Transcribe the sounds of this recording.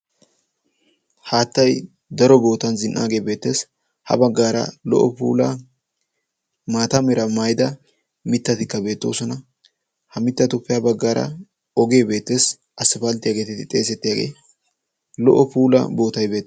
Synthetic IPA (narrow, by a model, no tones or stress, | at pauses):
haːt̪ːɐj | d̪ɐɾɔbo̞ːt̪ɐnzɪnʔa̰ːɡe̞ːbe̞ːt̪ːe̞ːs | hɐ̰bɐɡːaːɾɐ̰lɔ̰ʔɔpuːlɐ | maːt̪ɐmɛɾɐmɐjd̪ɐ | mɪt̪ːɐt̪ɪkːɐbe̞ːt̪ːo̞̰ːsɔnɐ | hɐmɪt̪ːɐt̪ʊpːɪjabɐɡːaːɾʔɐ̰ | ɔɡe̞ːbe̞ːt̪ːe̞ːs | ʔɐsːɪfɐlt̪ːɪjaːɡe̞ːt̪ɪɪt̪ʼe̞ːsɛt̪ːɪjaːɡe̞̰ː | lɔʔɔpuːlɐ̰bo̞ːt̪ɐjbe̞ːt̪ː